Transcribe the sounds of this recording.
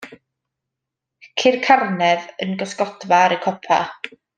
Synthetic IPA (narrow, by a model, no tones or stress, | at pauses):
kʰɪrkʰarnɛðənɡɔskɔdvaɾəkʰɔpʰa̰